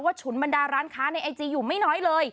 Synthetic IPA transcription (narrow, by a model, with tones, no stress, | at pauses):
waː˥˩t͡ɕʰu˩˦nba˧ndaː˧ɾaː˦˥nkʰaː˦˥na˧jʔa˧jt͡ɕiː˧juː˨˩ma˥˩jnɔː˦˥jlɤː˧j